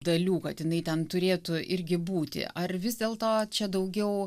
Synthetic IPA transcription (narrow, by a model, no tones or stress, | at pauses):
d̪ɐlʲuːkɐt̪jɪnɐɪt̪ʲɛnt̪ʊɾʲeːt̪ʊʔɪɾʲɡʲɪbuːt̪ʲɪ̰ʔɐrʋʲɪzd̪ʲeːlˠt̪oːt͡ʃʲɛd̪ɐʊɡʲɛʊ